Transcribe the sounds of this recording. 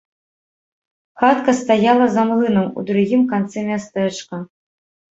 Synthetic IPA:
xat̪kɐst̪ajalˠɐzamlˠɨnɐmṵd̪ɾuɣʲimkant̪sɛmʲast̪ɛt͡ʂkɐ

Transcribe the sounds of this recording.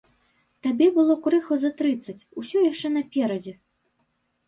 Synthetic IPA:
t̪abʲɛbɨlˠɔkɾɨxɔzɐt̪ɾɨt̪sːɐt͡sʲusʲɔjaʂt͡ʂɛnɐpʲɛɾɐd͡zʲɛ

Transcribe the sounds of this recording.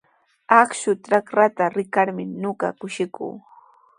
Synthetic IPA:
akʃʊtɾakɾat̪aɾɪkaɾmɪnoɢɑ̰kʊʃɪkṵː

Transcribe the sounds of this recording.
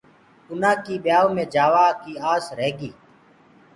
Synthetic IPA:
ʊnãːkiːɓjaːoːmẽːd͡ʒaːʋaːkiːaːsɾeːɡiː

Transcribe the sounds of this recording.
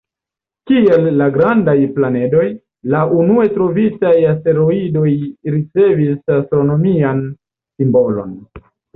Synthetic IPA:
kie̞lːaɡɾandajplane̞do̞j | laʔunue̞tɾo̞vitajaste̞ɾo̞ido̞jɾit͡se̞visastɾo̞no̞mian | simbo̞lo̞̰n

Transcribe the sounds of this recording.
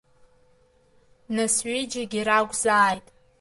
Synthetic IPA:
nasɥid͡ʒaɡʲiɾaɡʷzaːjtʼ

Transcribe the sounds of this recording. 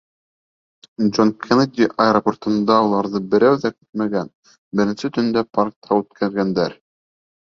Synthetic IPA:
d͡ʒonkʲʰenad̪ʲiʔɐeɾoport̪ɤ̆nd̪ɑulˠɑɾðɤbɘ̆ɾæwðækɘ̥t̪̚mæɡæn | bɘ̆ɾɘ̆nsɘt̪ɵ̆nd̪æpaɾk̚t̪ʰɑʉt̪̚kʰæɾɡænd̪æɾ

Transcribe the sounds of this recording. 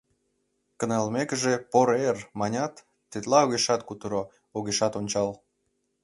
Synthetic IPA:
kə̆nɑlmekəʒepoɾermɑnʲɑt̪ː | et̪lɑoɣeʃɑt̪kut̪əɾo | oɣeʃɑt̪onʲt͡ɕɑl

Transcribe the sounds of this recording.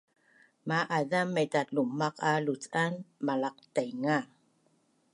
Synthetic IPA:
maʔaðamːedatlumaqalut͡sanmalaq̚tajŋa

